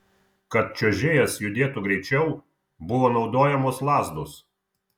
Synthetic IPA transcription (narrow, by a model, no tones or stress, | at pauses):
kɐt̪̚t͡ʃʲoːʒʲeːjɛsjʊd̪ʲeːt̪ʊɡɾʲɛɪt͡ʃʲɛʊ | bʊʋoːnɒʊd̪oːjɛmoːslˠɑːzd̪os